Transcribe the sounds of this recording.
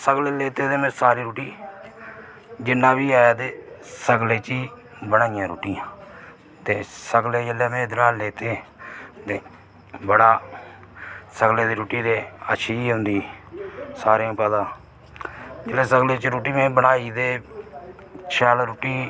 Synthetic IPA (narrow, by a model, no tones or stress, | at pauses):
səɡleːleːt̪eːd̪eːmẽːsaːɾiːɾuːʈiː | d͡ʒɪnːãːbiːaːjaːd̪eːsəɡleːt͡ʃiː | bənaːɪjãːɾuːʈiːãː | t̪eːsəɡleːd͡ʒəleːmẽːd̪ɾaːleːt̪eːt̪eː | bəɽaː | səɡleːd̪eːɾuːʈiːd̪eːəʃʰiːiːɦʊnd̪iː | saːɾãːpɛːd̪ãː | d͡ʒəleːsəɡleːt͡ʃɾuːʈiːmẽːbəɽaːiːd̪eː | t͡ʃʰɛːlɾoːʈiː